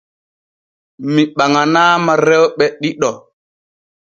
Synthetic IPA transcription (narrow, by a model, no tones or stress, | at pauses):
miɓaŋanaːmaɾɛwɓɛɗiɗɔ